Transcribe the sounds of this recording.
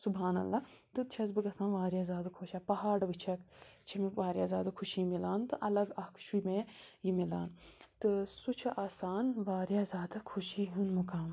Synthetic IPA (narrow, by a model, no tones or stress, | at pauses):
subɦaːnɐ̰lːat̪ɨt͡ʃʰɐzbɨɡɐsaːnʋaːɾjaːzʲaːd̪kʰoːʃaːpɐɦaːɖʋit͡ʃʰɐkt͡ʃʰɐmẽʋaːɾjaːzʲaːd̪akʰuʃiːmilaːnt̪ɨʔɐlɐɡɐkʰʃʰumẽjimila̰ːnt̪ɨsut͡ʃʰɐʔaːsaːnʋaːɾjaːzʲaːd̪akʰuʃiːɦunmukaːm